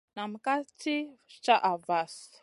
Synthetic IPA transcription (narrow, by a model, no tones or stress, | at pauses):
namikat͡sit͡ʃaʔavas